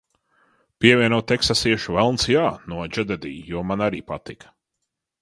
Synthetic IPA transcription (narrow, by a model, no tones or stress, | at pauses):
piɛviɛnawt̪ɛksasiɛʃuvɛlˠnsjaːnuɔd͡ʒɛd̪ɛd̪ḭːjuɔmanaɾiːpat̪ik